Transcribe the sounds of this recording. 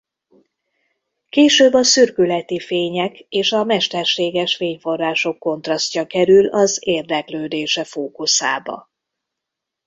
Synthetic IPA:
keːʃøːbːɒsyrkylɛt̪ifeːɲɛkeːʃɒmɛʃt̪ɛrʃeːɡɛʃfeːɲfo̞rːaːʃo̞kːo̞nt̪rɒsc̪ɒkɛɾylɒzeːrd̪ɛkløːd̪eːʃɛfoːkusa̰ːbɒ̰

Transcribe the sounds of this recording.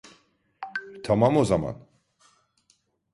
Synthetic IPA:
t̪ʰamamozama̰n

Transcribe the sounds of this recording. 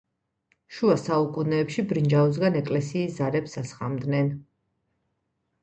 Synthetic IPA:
ʃuasaukʼunɛːpʃibɾind͡ʒaus̬ɡanɛkʼlɛsiːszaɾɛpsasχa̰md̪nɛn

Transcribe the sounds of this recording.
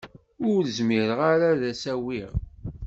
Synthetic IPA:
ʊɾɾzmiɾəʁaɾaðæsæwiʁ

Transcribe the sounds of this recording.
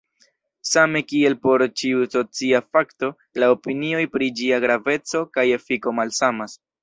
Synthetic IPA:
same̞kie̞lpo̞ɾt͡ʃiuso̞t͡siafakto | laopinio̞jpɾid͡ʒiaɡɾave̞t͡so̞kaje̞fiko̞malsamas

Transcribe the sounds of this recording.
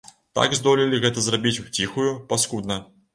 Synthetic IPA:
t̪a̰ɡzd̪ɔlʲilʲiɣɛt̪ɐzrabʲit͡sʲwt͡sʲixujupaskud̪̚nɐ

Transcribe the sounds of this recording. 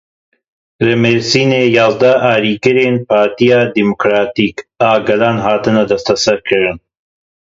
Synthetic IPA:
ɾemeɾsiːneːjɑːzd̪ɐaːɾiːɡɨɾeːnpaːɾt̪ijaːd̪imukɾaːt̪iːkaːɡɐlaːnɦaːt̪ɨnɐd̪ɐst̪ʰɐsɐɾkʰɨɾɨn

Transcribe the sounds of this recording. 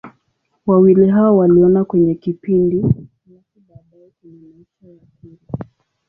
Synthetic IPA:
wawiliɦaɔwaliɔnakwɛɲɛkipindi | nakubbaɔin | iʃajakila

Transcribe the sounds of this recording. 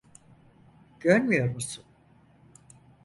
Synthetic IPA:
ɟ̥øɾmijo̞ɾmusun

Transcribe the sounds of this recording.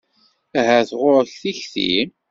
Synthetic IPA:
ɦæθʁʊɾəçθiçθḭ

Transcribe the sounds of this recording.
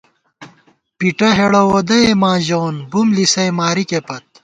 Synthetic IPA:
piʈɐɦeɽɐwoːd̪ɐemãːʑoːnbumlisɐjmaːɾikepɐt̪̚

